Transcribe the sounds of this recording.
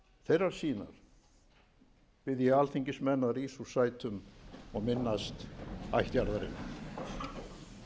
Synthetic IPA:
θejrːaɾ̥siːna̰ɾ̥ | pɪðjaalθiɲcɪsmɛnːaðɾiːsusajt̪ʰʏmɔɣmɪnːast̪a̰jht̪jaɾðaɾɪ̰nː

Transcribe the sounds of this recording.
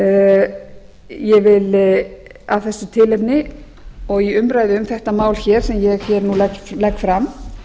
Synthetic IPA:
jɛvɪl | avθɛsːʏt̪ʰɪlɛpnɪ | ɔɣjɛʏmpɾaːjðɪʏmθɛht̪amaːwlçɛɾ̥sɛmjɛɣçɛɾnulɛklɛkfɾam

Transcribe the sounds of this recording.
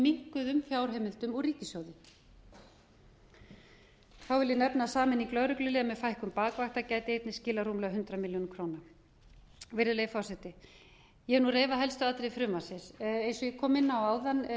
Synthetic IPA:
miŋ̥kʏðʏmfjaːwɾ̥ɦeːmɪl̥t̪ʏmɔriːcɪsjoːwðɪ | θawvɪljɛnɛpnasaːmɪniklœɾʏklʏliːɣamɛðfajhkʏmpaːkvaxt̪acaːjt̪ɪejt̪nɪscɪːlaruːmlœɣɦʏnt̪ɾamiljonmkʰɾowna | vɪɾðɪʏlejfɔwsɛt̪ɪ | jɛɛnureːjvaɦɛlst̪ʏat̪ɾejifɾʏːmasɪsejnsɔjɛkʰɔːmɪnːaawawðan

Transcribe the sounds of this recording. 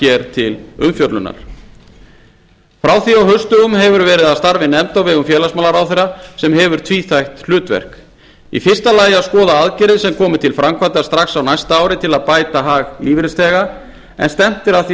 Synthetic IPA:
ɛɾt̪ʰɪlʏmfjɔt̪lʏ̰na̰ɾ̥ | fɾawθiawɦœɥst̪ʏɣʏmɦɛvʏɾvɛːɾɪðaðst̪aɾvɪnɛmt̪awvɪɣʏmfjɛːlasmaːlaɾawθɛrːasɛmɦɛvʏɾ̥t̪ʰviːθajxt̪l̥ʏːt̪vɛ̰r̥k | ḭfɪr̥st̪alaːjɪaskɔːðaaðcɛɾɪðsɛmkʰɔːmɪt̪ʰɪlfɾamkʰvat̪ḁst̪ɾaxsawnajst̪aaːwɾɪt̪ʰɪlaðpaːjt̪aɦaːɣliːvɾɪst̪ɛːɣa | ɛ̰nst̪ɛm̥t̪ɪɾaθi

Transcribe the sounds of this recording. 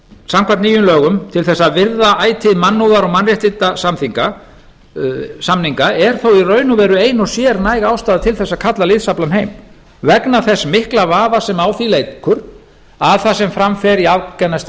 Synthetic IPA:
samkʰvant̪niːjʏnlœːɣʏmt̪ʰɪlθɛsːavɪɾðaʔaːjt̪ʰɪðmanːuðaɾɔɣmanrjɛht̪ɪt̪asamθiŋka | samniŋkaɛɾ̥θowirœːɥnʏvɛːɾʏeːjnɔsjɛːɾnajɣaaːwst̪aːðat̪ʰɪlθɛsːakʰat̪lalɪðsaplanɦeːjm | vɛknaθɛsːmɪhklavaːðasɛmaːwθilejkʰʏɾ̥ | aðθasɛmfɾamfɛɾiavkɛnːas

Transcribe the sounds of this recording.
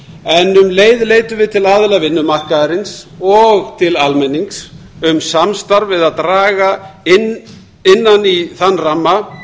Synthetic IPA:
ɛnʏmleːjðleːjt̪ʏvɪðt̪ʰɪlaðɪlavɪnːʏmar̥kaðaɾɪnsɔɣt̪ʰɪlalmɛnːiŋksʏmsamst̪aɾvɪðaðt̪ɾaːɣaɪn | ɪnːaniθanːramːa

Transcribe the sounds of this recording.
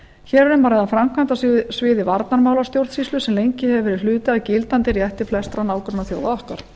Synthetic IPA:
çɛːɾɾɛmvaːɾɛðafɾamkʰvant̪asvɪːðɪvaɾt̪naɾmaːwlast̪jowɾt̪sislʏsɛmlejɲcɪhɛvɪvɛːɾɪ̥lʏːt̪ɪaðcɪlt̪ant̪ɪɾijɛht̪ɪ̥flɛst̪ɾanaːwkɾʏnaθjo̰wðaðɔhkaɾ̥

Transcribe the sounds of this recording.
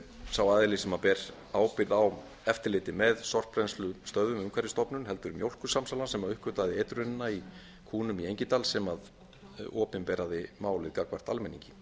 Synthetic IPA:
sawaːðɪlɪsɛmapɛːɾ | aːwpɪɾðaw | ɛft̪ɪɾlɪːt̪ɪmɛðsɔr̥pɾɛnslʏst̪œððʏmʏmkʰvɛɾɪst̪ɔpnʏnɦɛlt̪ʏɾʏmjowl̥kʏ̥samsalansɛmaðʏhkʏt̪aðɪɛt̪ɾʏnnai | kʰuːnʏmiejɲcɪt̪aːlsɛmað | ɔːpɪnpɛːɾaðɪmaːwlɪðkaːkvar̥t̪almɛnḭɲcɪ̥

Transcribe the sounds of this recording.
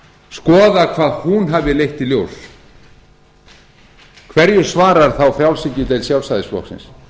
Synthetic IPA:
skɔːðakʰvaːðhunɦavðɪlejht̪iljows | kʰvɛɾjʏ̥svaːɾaɾ̥θawfɾjawlsɪcʏt̪ɛejlsjawlsaðɪsplɔ̰ksɪ̰ns

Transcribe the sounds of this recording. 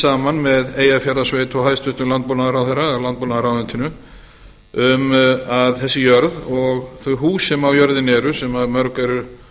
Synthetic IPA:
aːmanmɛðeːjafjaɾðasvejt̪ʰɔɦajst̪vʏht̪ʏmlant̪̚powlnaðɾawθɛɾalant̪̚powlnaðaɾawðɪnt̪ɪnʏ | ʏmaðθɛsːɪjœɾðɔɣθœɦuːsːɛmawjœɾðɪnɛɾʏsɛmaðmœɾkɛɾʏ

